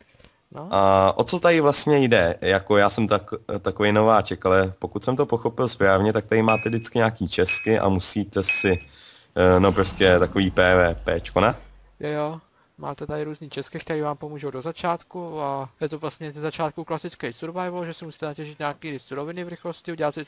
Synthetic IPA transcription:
noʔaʔo̞t͡so̞t̪adɪvlast̪ɲɛjdɛjako̞jaːsɛmt̪akt̪akovɛjno̞vaːt͡ʃɛkalɛpo̞kut̪sɛmt̪o̞po̞xo̞pɪlspɾaːvɲɛt̪ak̚t̪aɾɪmaːt̪ɛdɪt͡skɪɲaːkiːt͡ʃɛskɪʔa̰musiːt̪ɛsɪ | no̞pɾo̞scɛt̪ako̞viːpɛːvɛːpɛːt͡ʃkona | jojo | ma̰ːt̪ɛt̪adɪɾuːzɲiːt͡ʃɛskɪkt̪ɛɾiːvaːmpo̞muːʒowdozat͡ʃaːt̪kuajɛt̪ovlast̪ɲɛzɛzat͡ʃaːt̪̚kuklasɪt͡skɛjsuɾvajvloʒɛsɪmusi̥ːt̪ɛnacɛʒɪt̪ɲaːkiːɪsuɾovɪnɪvɾɪxloscɪuɟɛlat̪s

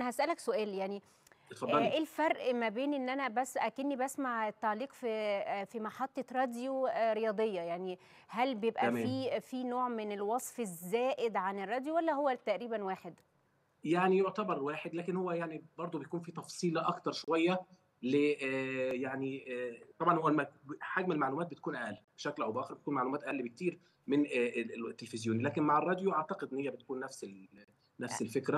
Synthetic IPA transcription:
ʔænæhæsʔælæksoʔæːljaʕni | t̪fɑd̪ˤːlʔelfɑɾˤʔmæbeːnʔenːʔænæbæsʔækenːibæsmaʕet̪ːɑʕliːqfifimɑħɑt̪ˤːɑɾˤɑːd̪joɾejɑːd̪ˤejːɑjaʕni | hælbejebʔæfiːfiːnoːʕmenelwɑsˤfezːæːʔɪd̪ʕanerːɑːd̪jowælːæɦowːæt̪æʔɾiːbænwaːħed̪ | jaʕnijoʕt̪æbɑɾˤwæːħed̪læːkenhowːæjaʕnibɑɾˤd̪ˤubejækuːnfiːt̪ɑfsˤiːlʔɑkt̪ɑɾˤʃowæjːæ | le | jaʕnit̪ˤɑbʕɑnhowːælmæħaɡmenelmaʕlumæːt̪̚bet̪̚kuːnʔæʔælːib̥eʃæklʔæwbeʔæːxeɾbet̪akuːnmaʕlumæːt̪ʔæʔælːibek̚t̪iːɾ | mɪnːt̪ːelefɪzjoːnilæːkenmaʕerˤːɑːd̪joʔaʕt̪ɑqed̪ʔnːhejæbet̪̚kuːnːæfselː | æfselfekɾæ

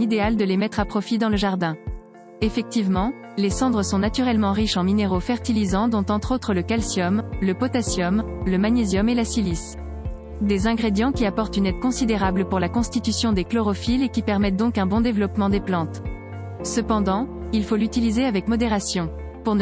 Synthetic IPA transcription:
id̪eald̪əlemɛt̪χapχɔfid̪ɑ̃ləʒaʁd̪ɛ̃ | efɛk̚t̪ivmɑ̃ | lesɑ̃d̪ʁəsɔ̃nat̪yʁɛlmɑ̃ʁiʃɑ̃mineʁofɛʁt̪ilizɑ̃d̪ɔ̃t̪ɑ̃t̪χot̪χələkalsjɔmləpɔt̪asjɔmləmanezjɔmelasilis | d̪ezɛ̃ɡʁed̪jɑ̃kʲiapɔʁt̪ynɛd̪̚kɔ̃sid̪eʁabləpuʁlakɔ̃st̪it̪ysjɔ̃d̪eklɔʁɔfilekʲipɛʁmɛt̪̚d̪ɔ̃kɛ̃bɔ̃d̪evlɔpmɑ̃d̪eplɑ̃t̪ | səpɑ̃d̪ɑ̃ilfolyt̪ilizeavɛkmɔd̪eʁasjɔ̃ | puʁn

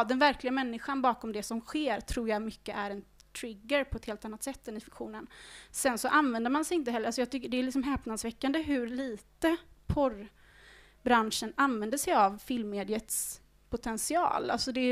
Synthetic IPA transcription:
d̪ɛnvæɾklɪɡamɛnːɪɧanbɑːkɔmd̪ɛsɔmɧeːɾt̪ʰɾuːɾjɑmʏkːəʔæɾɛnt̪ʰɾɪɡːəɾpʰɔɛt̪heːlt̪anːat̪sɛt̪ːɛnɪfɪkɧuːnənsɛnsɔʔanvɛnd̪əɾmansɛjɪnt̪əɦɛlːɾasɔjɑːt̪ʰʏkːəɖɛːlɪks̬ɔmɦɛːpnad̪svɛkːand̪əɦɵɾliːt̪əpʰɔɾ | bɾanʂənanvɛnd̪əʂɛjavfɪlmːeːd̪ɪət̪s | pʰʊt̪ʰɛnsɪɑ̰ːla̰lsɔd̪ɛ

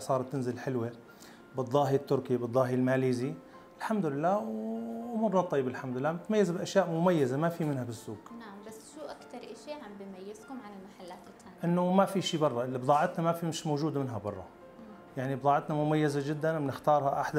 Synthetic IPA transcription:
sˤɑːɾˤt̪ːɪnzɪlħɪlwi | bɨd̪ˤːɑːɦit̪ːʊɾkibɨd̪ˤːɑːɦilmaːliːzi | ɪlħamd̪ʊlɪlːaːwʔʊmuːɾnɑt̪ˤːɑjːɪbalħamd̪ʊɪlːaːmɪt̪majːazabʔaʃjaːʔmʊmajːazamafimɪnhabɪsːuːɡnaʕambasːʃuʔakt̪ɑɾˤʔaʃiʕambimajɪzkʊmʕanɪlmaħalːaːt̪ː | aʔɪnːʊmafiʃiːbɑrˤːɑʔɪlːibd̪ˤɑːʕɪt̪namafimɪʃmowʒuːd̪amɪnɦabɑrˤːɑ̰ | jaʕnibd̪ˤɑːʕɪt̪namʊmajːazad͡ʒɪd̪ːannɪxt̪ɑːɾˤhaʔaħd̪a

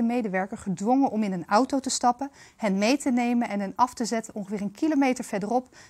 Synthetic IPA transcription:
əmejdəʋɛɹkəɹχədʋɔŋənʔɔmɪnənʌwtowtəstɑpənhɛnmejtənejmənɛnɦɛnɑftəzɛtənɔŋχəvɪːrɹənkilomejtəɹv̥ɛdərɔp

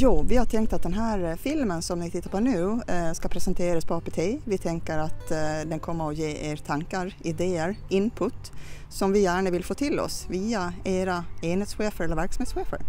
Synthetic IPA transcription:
juːvɪhaʈʰɛŋkt̪at̪̚d̪ɛnɦæːɾfɪlmənsɔmnɪt̪ʰɪt̪ːapɔnʉ̟ːskapʰɾɛsənt̪ʰeːɾaspʰɔɑːpɛʈʰeːvɪt̪ʰɛŋkəɾat̪d̪ɛnkʰɔmːəɾɔjeːʔeːɾt̪ʰaŋkaɾɪd̪eːəɾɪnpʰʊt̪ː | sɔmvɪjæːɳəvɪlfoːt̪ʰɪlɔ̰sviːaeːɾaeːnheːt̪sɧeːfəɾɛləɾvæɾksameːt̪sɧeːfə̰ɾ

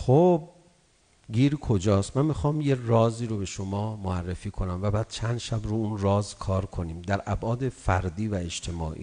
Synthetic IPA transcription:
xob̚ | ɡiːɾkʰod͡ʒɒːst̪mænmixɒːmje̞rɒːziːɾobe̞ʃomɒːmoærːe̞fiːkʰo̞næmvæbæːd̪̥̚t͡ʃʰænd̪ʃæbɾuunrɒːzkʰɒːɾkʰo̞niːmd̪æɾʔæbʔɒːd̪e̞fæɾd̪iːvæeʃt̪ʰe̞mɒ̰ːʔḭː

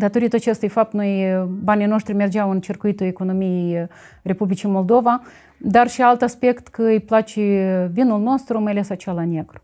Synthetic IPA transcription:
d̪at̪oɾit̪at͡ʃest̪ujfap̚t̪nojbanʲijnoʃt̪ɾimerd͡ʒawɨnt͡ʃirkuit̪ueko̞nomijej | re̞publit͡ʃimo̞lˠd̪o̞va | d̪arʃialt̪aspekt̪kəɨjplat͡ʃevinulno̞st̪ɾumajlesat͡ʃalanʲjeɡɾu̥

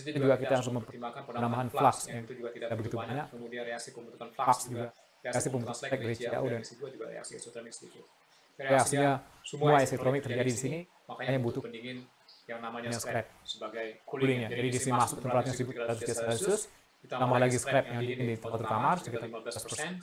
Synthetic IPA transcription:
t̪ud͡ʒuɡakit̪aɦaɾʊsmənambaɦanflaksjaŋabəɡit̪ubaɲakeasipəmbut̪laksd͡ʒuɡa | aaksipəmbut̪uɛk̚daɾit͡ʃia̰ʔudanuaɾḛa̰ksisisi | eaksiɲasəəmmuaɛsɛk̚t̪ɾonɪk̚t̪ərd͡ʒadidisini | makakaɲabut̪ʊniŋn | jaŋnamaɲaskɾɛp̚əbaɡjkuulɪŋɲad͡ʒadidisinimasʊk̚t̪əmpɾat̪̚ɲasibʊt̪dat̪usiasɾaisʊs | t̪nambalaɡisəkɾɛp̚jaŋdiŋɪndit̪əmpat̪ːɾut̪amasəkit̪aaspərsɛn

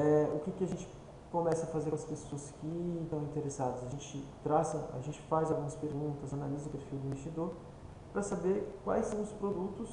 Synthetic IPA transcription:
ɛʊkɪkɪaʒẽnt͡ʃɪ̥ | komɛsɐfazeɾɐspesoɐskɪt̪ɐ̃w̃ĩt̪eɾesad̪ɐzɐʒẽt͡ʃɪt̪ɾasɐʔa̰ʒẽnt͡ʃɪ̥fajzawɡũmɐspeɾɡũnt̪ɐzanalizɐʊpeɾfiwd̪ʊĩvest͡ʃid̪oɾ | pɾɐsabeɾkwa̰jsːɐ̃w̃ʊspɾod̪ut̪ʊs

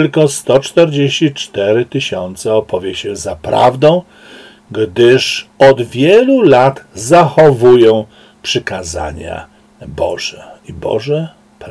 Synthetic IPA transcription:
lkɔst̪ɔt͡ʂt̪ɛɾd͡ʑeɕt͡ɕit͡ʂt̪ɛɾɘt̪ɘɕɔnt̪sɛɔpɔvʲjɛɕɛzapɾa̰vd̪ɔ̃w̃ | ɡd̪ɘʂɔd̪vʲjɛlulat̪zaxɔvujɔ̃w̃ | pʂɘkaza̰ɲa̰ | bɔ̰ʐɛibɔ̰ʐɛ | pɾ

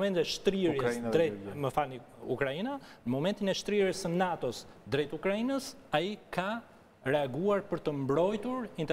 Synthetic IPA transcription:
mɛnt̪ɛʃt̪ɾiɾisd̪ɾɛməfalniukɾainanəmɔmɛnt̪inɛʃt̪ɾiɾisənat̪ɔsd̪ɾɛt̪ukɾainəs | aikʰa | ɾɛaɡuaɾpəɾt̪əmbɾɔjt̪uɾint̪

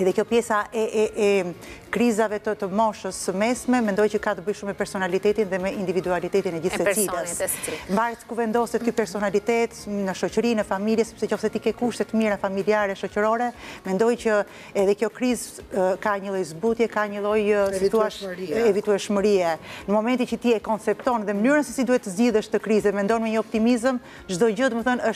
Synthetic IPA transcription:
ɛðɛkjɔpjɛsaʔɛɛʔɛkɾizavɛt̪ət̪əmɔʃəsəmɛsmɛmɛnd̪ɔjt͡ʃəkat̪əbəjʃumːɛpɛɾsɔnalit̪ɛt̪inðɛmɛind̪ivid̪ualit̪ɛt̪inɛɟisɛiləssmbaɾt̪kuvɛnd̪ɔsɛt̪ypɛɾsɔnalit̪ɛt̪nəʃɔcəɾinəfamiljɛsɛ̥psɛt͡ʃɔfsɛt̪ikɛkuʃt̪ɛt̪əmiɾafamiliaɾɛʃɔcəɾɔɾɛmɛnd̪ɔjcə | ɛðɛkjɔkɾizkaɲəlˠɔjzbut̪jɛkaɲəlˠɔjsit̪uaʃɛvit̪uɛʃməɾiɛnəmɔmɛnt̪it͡ʃət̪iɛkɔnt͡sɛp̚t̪ɔnðɛmənyɾnəsɛsid̪uhɛt̪əzɟiðəʃt̪əkɾizɛmɛnd̪ɔnmɛɲəɔp̚t̪imizəm | ʒd̪ɔd͡ʑəd̪məθənəʃ

